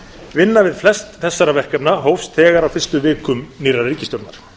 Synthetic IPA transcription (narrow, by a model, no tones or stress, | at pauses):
vɪnːavɪðflɛst̪θɛsːaɾavɛr̥kɛpnaɦowfst̪ʰɛːɣaɾawfɪrst̪ʏvɪːkʏmniːrariːcɪst̪jowɾt̪naɾ̥